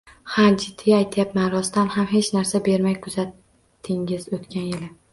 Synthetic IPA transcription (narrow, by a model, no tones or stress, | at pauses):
had͡ʒɪd̪ʰːɪajt̪ʰajapmanɾɒst̪anhamɦe̞t͡ʃnaɾsabe̞ɾmajkʰʊzat̪ʰː | ɪŋɪzot̪kʲʰanjɪlɪ